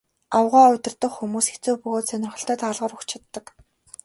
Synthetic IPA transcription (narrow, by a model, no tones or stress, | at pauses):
awʁaːʊt̪ʲɪ̆rt̪ə̆χxumuːse̥t͡suːpɵɣoːt̪sœnʲɪ̆rχə̆ɬt̪ʰœːt̪ʰaːɮʁə̆ːrukt͡ɕʰat̪ːə̆k